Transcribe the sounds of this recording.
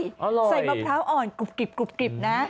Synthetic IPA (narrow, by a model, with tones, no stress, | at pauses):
ʔɔ˧˩loː˧sa˧˩jɓaː˧˩mpʰɾaː˦˥wʔɔː˨˩nku˨˩p̚ki˨˩p̚ku˨˩p̚ki˨˩p̚na˦˥